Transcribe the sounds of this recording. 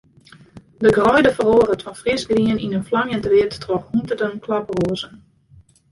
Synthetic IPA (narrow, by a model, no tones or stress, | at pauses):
dəɡrɔjdəfəroːərətfɔnfrɪsɡriəninənflaŋjəntəʋɪətːroxuntədəmkʰlaproəzən